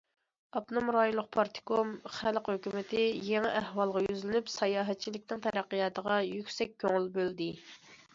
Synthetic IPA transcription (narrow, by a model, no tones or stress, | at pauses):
ɑpnɑmɾɑjulˠːʊq̚pʰɑɾt̪ʰɪ̥kʰomχælqhøkʲymɪt̪ʰɪjeŋɪʔæhwɑlˠʁɑjyzlɪnypsɑjɑːɦɛt̪̚t͡ʃʰilɪkʲnɪŋt̪ʰɛɾæqːijɑːt̪ʰəʁɑjykʲsɛk̚ʲʰːøŋylbøld̪ɪ